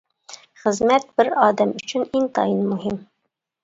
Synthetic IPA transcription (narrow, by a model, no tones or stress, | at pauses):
χɘ̆zmæt̪̚bɘɾɒd̪æmɵ̆t͡ɕɵniŋt̪ɑ̰jɤnmɵ̆ɦim